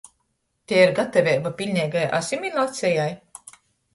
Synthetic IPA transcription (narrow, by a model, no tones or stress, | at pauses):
t̪ʲeːiɾɡat̪avʲɛpapʲilʲnʲɛjɡaja̰sʲimilˠat̪sʲɛjaj